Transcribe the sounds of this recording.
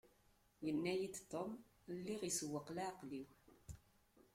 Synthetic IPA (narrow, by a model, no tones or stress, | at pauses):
jənːæjid̪t̪ːomlːiʁiswːəqlaqliw